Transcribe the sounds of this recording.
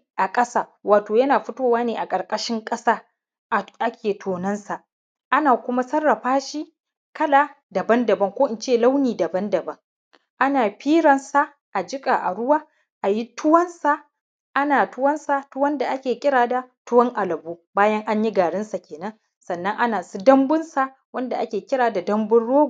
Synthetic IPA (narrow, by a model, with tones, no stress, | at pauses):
ʔa˨kʼɐ˦saː˦˨waː˨toː˨jɐ˦naː˨ɸʊ˦toː˦waː˦neː˨ʔa˨kʼɐ˨ɾkʼɐ˦ʃɪ˦ŋkʼɐ˦saː˦ | ʔʔa˦kʲʰeː˨tʰoː˨nɐ˦nsa˨ | ʔa˦naː˨kʷʊ˦ma˦sɐ˦rːɐ˨ɸaː˦ʃi˦ | kɐ˦la˨ | dɐ˨bɐ˦ndɐ˨bɐ˦ŋkʷoː˦ʔɪ˨nt͡ʃeː˦˨la˦wniː˨dɐ˨bɐ˦ndɐ˨bɐ˦ŋ | ʔa˦naː˨ɸiː˦ɽɐ˨nsa˨ | ʔa˨d͡ʒɪ˦kʼa˨ʔa̰˨ɽʊ˦waː˦ | ʔa˨ji˦tʊ˦wɐ˦nsa˨ | ʔa˦naː˨tʊ˦wɐ˦nsa˨tʊ˦wɐ˦nda˨ʔa˦kʲeː˨kʲɪ˦ɽaː˨da˨tʊ˦wɐ˦ŋʔa˨lɐ˨buː˦baː˦jɐ˦ŋʔa˦ɲji˦ɡaː˨ɽɪ˦nsa˨kʲeː˨nɐ˦ŋ | sɐ˨nːɐ˦ŋʔa˦naː˨su˦dɐ˦mbʊ˦nsa˨ | wɐ˦nda˨ʔa˦kʲeː˨kʲɪ˦ɾaː˨da˨dɐ˦mbʊ˦nɽoː˦ɡu˨